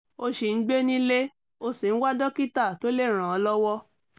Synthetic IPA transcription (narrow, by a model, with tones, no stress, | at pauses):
o˧ʃi˨n̩˦ɡ͡be˦nĩ˦le˦ | o˧si˨n̩˦wa˦dɔ˦ki˦ta˦˨to˦le˦˨ɾ̃ã˨ɔ˧lɔ˦wɔ˦